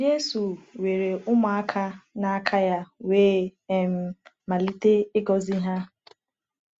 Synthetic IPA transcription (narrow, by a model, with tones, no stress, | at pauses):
d͡ʒe˦su˨we˨ɾe˨ʔʊ˦mʊ˨a˦kʰa˦na˦a˦kʰa˦ja˦weː˦e˨m̩˦ | ma˨li˦te˦ɪ˦ɡɔ˨zi˦ɦa˦